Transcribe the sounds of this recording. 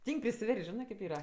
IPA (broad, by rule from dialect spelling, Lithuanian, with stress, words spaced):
ˈtʲiːŋʲkʲ pʲrʲɪsʲɪˈʋʲɛrʲsʲtʲ ˈʒʲɪnɜ kʲeːp ˈiːrɐ